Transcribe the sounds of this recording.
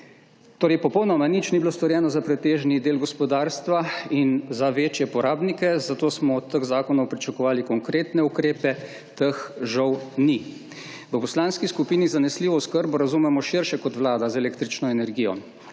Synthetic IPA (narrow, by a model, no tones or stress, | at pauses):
t̪oːɾɛjpɔpɔwnɔmanit͡ʃnibiloːst̪ɔɾjɛːnɔzapɾɛt̪eːʒnid̪eːlɡɔspɔd̪aːɾst̪ʋainzaʋeːt͡ʃjɛpɔɾʔaːbnikɛzat̪oːsmɔt̪ːəɣzaːkɔnɔwpɾit͡ʃakɔʋaːlikɔŋkɾeːt̪nɛukɾeːpɛ | t̪əxʒɔwni | ʋəpɔslaːnskiskupiːnizanɛsliːʋɔuskəɾbɔɾazumɛmɔʃiɾʃɛkɔt̪ʋlaːd̪azɛleːkt̪ɾit͡ʃnɔɛnɛɾɡiːjɔ̰